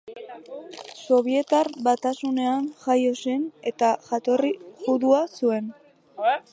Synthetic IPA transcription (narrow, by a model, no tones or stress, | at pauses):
so̞β̞ie̞t̪aɾβat̪asune̞anʝajo̞se̞ne̞t̪aʝat̪o̞riʝuðuasue̞n